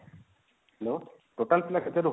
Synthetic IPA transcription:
ɛlo | ʈoʈalpilakʰet̪eɾuɦ

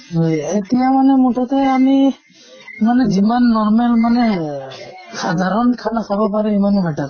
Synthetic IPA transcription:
ɦɔjetijamanɛmutʰɔtɛami | manɛzimanːɔɹmɛlmanɛ | xadʱaɾɔnkʰanasabɔpaɾɛimanɛbʱatat

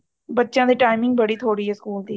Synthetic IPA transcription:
bətːʃãːd̪eːʈaːɪmɪ̃ŋɡ̚bəɽiːt̪ʰoːɽiːɦɛskuːld̪iː

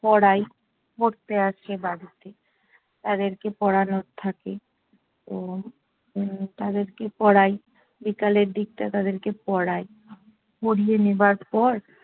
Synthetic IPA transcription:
pɔɽaj | poɾt̪eaʃebaɽit̪e | t̪ad̪eɾkepɔɽanoɾt̪ʰake | o | t̪ad̪eɾkepɔɽaj | bikaleɾd̪ik̚ʈ̪at̪ad̪eɾkepɔɽaj | poɽijenebaɾpɔɾ

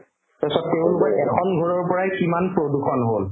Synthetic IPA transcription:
pesɔtteʊ̃lʊkɔɹʔɛkʰɔnɡʱɔɹɔɹpɔɹajkimanpɹoduxɔnɦol

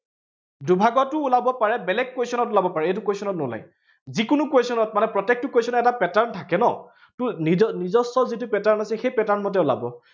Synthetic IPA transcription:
dubʱaɡɔtʊːlabɔpaɹɛbɛlɛk̚ːwesɔnɔtʊlabɔpaɹɛejt̬ʊkwejsɔnɔtnʊla̰j | zikʊnʊkwesɔnɔt̚manɛpɹɔtɛk̚tʊkwesɔnɔɛtapɛtaɹntʰakɛnɔ | tʊniɔnizɔstɔzit̬ʊpɛtaɹnasɛxejpɛtaɹnmɔtɛula̰bɔ̰

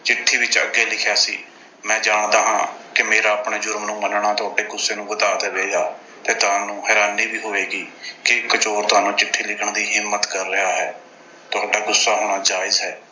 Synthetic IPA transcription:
t͡ʃɪʈʰːiːʋɪt͡ʃə̰ɡeːlɪkʰjaːsiː | mɛ̃ːd͡ʒaːɳd̪aːɦãːkɪmeːɾaːəpɳeːd͡ʒʊɾmnũːmənɳaːt̪ʊaːɖeːɡʊsːeːnũːbət̪aːd̪eːbeːɡaː | t̪eːt̪ʊaːnũːɦɛːɾaːniːbiːɦoːʋeːɡiːkɪɪkːət͡ʃoːɾt̪ʊaːnũːt͡ʃɪʈʰːiːlɪkʰəɳd̪iːɦɪmːət̪kəɾːɪɦaːɦɛː | t̪ʊaːɖaːɡʊsːaːɦoːɽ̃aːd͡ʒaːɪzɦɛː

